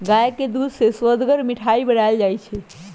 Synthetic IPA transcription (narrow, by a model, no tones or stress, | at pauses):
ɡajked̪ud̪ʱseswəd̪ɡəɾmiʈʰaibəɽald͡ʒajt͡ʃʰɛ